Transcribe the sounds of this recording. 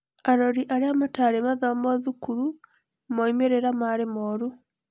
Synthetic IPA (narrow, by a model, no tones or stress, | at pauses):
aɾoɾiʔaɾiamataɾemaðamoðukuɾu | moimeɾeɾamaɾemoɾu